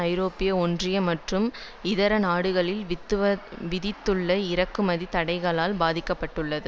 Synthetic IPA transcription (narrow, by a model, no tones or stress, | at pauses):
ɐɪɾoːpɪjɐɔndrɪjɐmɐʈrɯm | ɪðɐɾɐnaːɽɯɣɐɭɪlt̪ːɐʋɪðɪt̪ːɯɭːɐɪɾɐkːɯmɐðit̪ɐɽɐɪɣɐɭaːlbaːðɪkːɐpːɐʈːɯɭːɐðɯ